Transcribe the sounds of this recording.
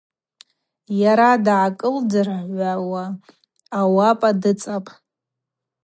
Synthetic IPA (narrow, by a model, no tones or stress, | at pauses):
jaɾadʕakʼɨldarʕʷawaː | wapʼadɨt͡sʼapʼ